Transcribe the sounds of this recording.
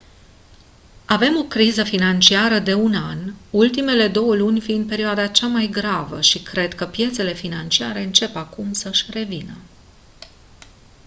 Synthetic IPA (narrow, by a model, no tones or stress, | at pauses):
ave̞mo̞kɾizəfinant͡ʃiaɾəd̪e̞unanult̪ime̞le̞d̪o̞wəlunʲfind̪̚pe̞ɾioad̪at͡ʃamajɡɾavə̰ʃikɾe̞d̪kəpje̞t̪se̞le̞finant͡ʃiaɾe̞ɨnt͡ʃe̞pakumsəʃʲre̞vinə